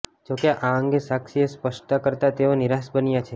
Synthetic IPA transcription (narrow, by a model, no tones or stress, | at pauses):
d͡ʒokeʔaəŋɡesakʃiespəʃt̪akəɾt̪at̪eoniɾasbənjat͡ʃʰe